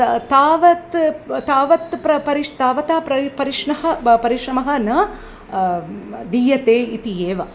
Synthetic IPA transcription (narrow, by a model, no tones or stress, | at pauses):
t̪aːʋɐt̪t̪aːʋɐt̪pɾɐpɐɾiʂt̪aːʋɐt̪apɾɐpɐɾiʂɳɐɦɐ̆pɐɾiʃɾɐmɐɦɐ̆nɐ | d̪ijɐt̪eːit̪ijeːʋɐ